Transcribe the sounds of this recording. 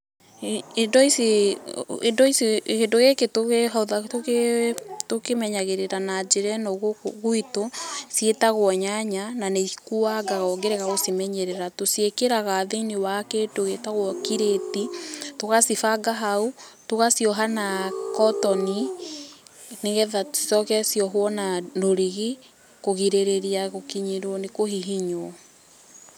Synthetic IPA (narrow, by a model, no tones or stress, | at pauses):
endɔise | ḛndɔisekendoɣeketoɣeɦauðatoketokemɛɲaɣeɾeɾanad͡ʒeɾɛnɔɣoɣoitosjetaɣwɔɲaɲananekuaɡaɣɔɡeɾɛɣaɣosimɛɲɛɾɛɾatosiekeɾaɣaðeiniwaketoɣetaɣwɔkiɾetitoɣasifaɡaɦautoɣasjɔɦanakɔtɔni | neɣɛðatsi̥sɔkɛsjɔɦwɔnanoɾiɣe | koɣiɾeɾeɾiaɣokiɲiɾwɔnekohiɦiɲwɔ